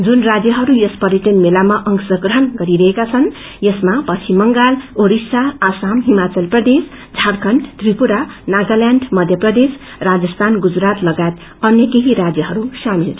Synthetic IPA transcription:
d͡zunrad͡zjʌɦʌɾujʌspʌɾiʈ̪ʌnmelamaʔʌŋsʌɡrʌɦʌnɡʌɾiɾʌɦekat͡sʰʌn | jʌsmapʌt͡sʰimʌŋɡaloɾisaːsamɦimat͡sʌlprʌd̪es | d͡zʱarkʰʌɳʈt̪ripuɾanaɡaljaɳɖmʌd̪ʱjʌprʌd̪es | rad͡zʌst̪ʰanɡud͡zɾat̪lʌɡajt̪ | ʌnjʌkeɦiɾad͡zjʌɦʌɾusamilʰ

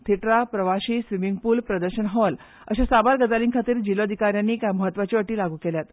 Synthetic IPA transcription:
t̪ʰiʈɾapɾəʋaɕiːsʋimiŋɡ̚puːlpɾəd̪əɾɕənɦɔl | əɕasabaɾɡəd͡zaliːŋkʰat̪iːɾd͡ʑiloəd̪ʱikaɾjanːiːkaməɦət̪ːʋat͡ɕiəʈiːlaɡʱuːkeljat̪

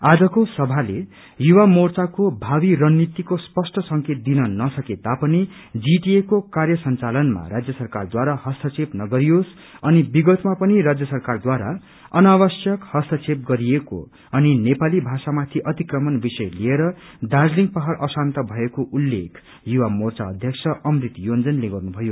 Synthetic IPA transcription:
ad͡zʌkosʌbʱale | juwamort͡sakobʱabiɾʌnːit̪ikospʌsʈʌsʌŋket̪̚d̪inʌnʌsʌket̪apʌni | d͡ziʈiekokarjʌsʌnt͡salʌnma̰ɾad͡zjʌsʌrkard̪waɾahʌst̪ʰʌt͡sepnʌɡʌɾijos | ʌnibiɡʌt̪mapʌniɾad͡zjʌsʌrkard̪waɾa̰ | ʌnawʌsjʌkhʌst̪ʰʌt͡sep̚ɡʌɾieko̰ | ʌninepalibʱasamat̪ʰiʔʌt̪ikrʌmʌnbisʌjlieɾʌ | d̪ad͡zliŋɡpʌɦaɾʌsant̪ʌbʱʌekoʔulːḛkʰ | juwamort͡saʌd̪ʱjʌksʰʌʔʌmrit̪jond͡zʌnleɡʌrnubʱʌjo

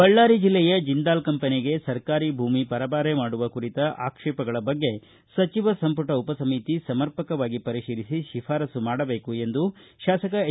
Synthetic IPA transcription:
bɐɭːaːɾid͡ʒilːɛjɐd͡ʒind̪aːlkɐmpɐniɡe̞sɐɾkaːɾibʱuːmipɐɾɐbaːɾemaːɽuʋɐkuɾit̪ɐʔa̰ːkʂɛːpɐɡɐɭɐbɐɡːe̞ | sɐt͡ʃiʋɐsɐmpuʈɐupɐsɐmit̪isɐmɐɾpɐkɐʋaːɡipɐɾiʃiːɾisiʃifʰaːɾɐsumaːɽɐbe̞ːkue̞nd̪uʃaːsɐkɐ

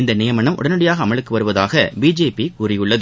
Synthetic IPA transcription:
ɪnd̪ɐnɪjɐmɐɳɐmʔʊ̰ɽɐnɯɽɐjaːɣɐːmɐɭɯkːɯʋɐɾɯʋɐðaːɣɐbiːd͡ʒeːpikuːrɪjɯɭːɐðɯ

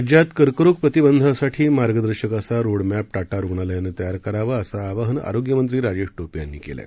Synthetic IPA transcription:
d͡ʑjat̪kəɾkɾuk̚pɾət̪ibənd̪ʱasaʈʰiːmaɾɡəd̪əɾɕəkasaɾoɽmæp̚ʈaʈaɾuɡɳ̃aləjanːet̪əjaɾkəɾaʋəəsaːʋaɦəna̰ɾoɡjəmənt̪ɾiːɾad͡ʑeʂʈopjanːḭːkḛla̰

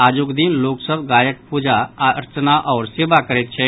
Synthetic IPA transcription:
aːd͡ʒʊkd̪inloːksəbɡaːjək̚pud͡ʒaɾt͡ʃnaʔɔːɾseːbakəɾet̪t͡ʃʰɛː

